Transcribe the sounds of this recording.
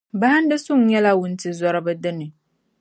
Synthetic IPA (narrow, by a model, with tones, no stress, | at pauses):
ba˦ha˦n˦dɨ˦sʊ˦ŋ˦ɲɛ˦la˦wʊ˨n̩˨tɨ˨zɔ˨ɾɨ˨bɨ˦dɨ˦nɨ˨